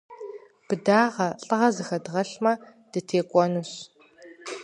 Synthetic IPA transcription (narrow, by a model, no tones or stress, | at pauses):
b̥ɨdaːʁɐɬʼɨʁɐzɨxɐdʁɐɬmɐ | d̥ɨtʰeːkʷʼɔnuɕ